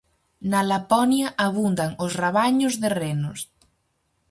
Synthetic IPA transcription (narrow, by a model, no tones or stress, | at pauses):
nalapɔnjaʔaβund̪aŋosraβaɲʊzðerenʊs